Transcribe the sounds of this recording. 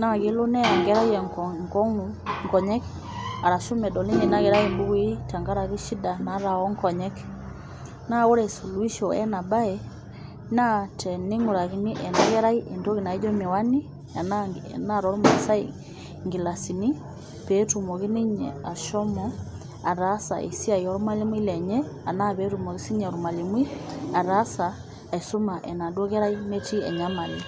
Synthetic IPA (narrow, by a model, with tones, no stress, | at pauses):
na˨ɣe˨lo˦nɛ˦a˨ŋɡɛ˦ɾa˦i˦ɛ˨ŋkɔ˦ŋu | ŋkɔ˨ɲɛ˦k | a˨ɾa˨ʃo˦mɛ˨dɔ˨li˦ɲɛ˨na˦ɣɛ˨ɾa˦imbu˦ɣi˦ta˨ŋɡa˦ɾa˨ɣi˦ʃi˦da˨na˨˦ɾa˨wɔ˦ŋkɔ˨ɲɛ˦k | na˦o˦ɾɛ˨su˨lu˦i˦ʃɔ˨ɛ̰˦na˨ba˦ɛ | na˦tʰɛ˨ni˦ŋu˨ɾa˨ɣi˨˦ni˦ʔɛ˨na˦ɣɛ˦ɾa˦i˦ʔe˨nto˦ɣi˨na˨i˦d͡ʒɔ˦mi˨wa˦ni˦˨ | nna˦ɾɔ˦ɾo˦ma˨sa˦i | ŋɡi˨la˨si˨ni˦ | pɛ˨˦tu˨mo˨ɣi˦ni˦ɲɛ̰˨a˨ʃɔ˦mɔ | a˨ɾa˦sa̰˨ʔḛ˨si˦a˨i˨ɔ˦ɾo˦ma˦le˦mwi˦lɛ˨ɲɛ˦ | a˨na˦βɛ˦tumo˨ɣi˦si˦ɲɛ˨ɾu˨ma˨le˨mwi˦a˨ɾa˦sa˨ | e˨su˦ma˨ʔɛ˨na˨dwo˦ɣɛ˦ɾa˦i˦me˦ti˦ɛ̰˨ɲa˦ma˨li˨